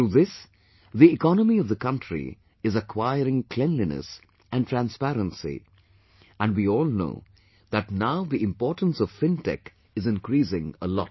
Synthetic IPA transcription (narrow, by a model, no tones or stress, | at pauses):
ɾuðɪs | ðiɪkɔnəmiʌvðəkʰʌ̃ntʰɹḭ | ɨzəkʰwaɪəɾɪ̃ŋkʰl̥ɛ̃nlinə̰s | æ̃ntʰɹæ̃nspæɾə̃nsḭ | æ̃nwiɔːlˠno̰ʊ | ðətnaʊðiɪ̃mpɔːɹʈə̃n̩sʌv̥fɪ̃ntɛ̰k | ɨzɨ̃nkɾiːsɪ̃ŋəlɔ̰t